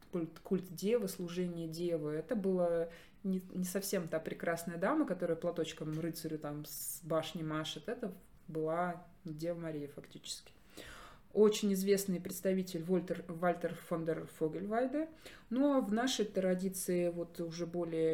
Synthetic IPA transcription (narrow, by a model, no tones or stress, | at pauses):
kulʲt̪kulʲt̪dʲevəslˠʊʐɛnʲɪjədʲevəɛt̪əbɨlˠə | nʲɪnʲɪsɐfsʲe̞mt̪apɾʲɪkɾasnəjəd̪aməkɐt̪o̞ɾəjəplˠɐt̪o̞t͡ɕkəmrɨt̪sɨɾʲʊt̪amsbaʂnʲɪmaʂɨt̪ɛt̪ə | bɨlˠa | dʲevəmɐɾʲijəfɐktʲit͡ɕɪ̥skʲɪ̥ | o̞t͡ɕɪnʲɪzvʲe̞snɨjpɾʲɪt̪st̪ɐvʲitʲɪlʲvlʲt̪valʲt̪ʲərfond̪ərfoɡʲɪlʲvalʲd̪ɨ | novnaʂəjt̪ɾɐdʲit̪sɨɪvo̞t̪ʊʐɛbo̞lʲɪjə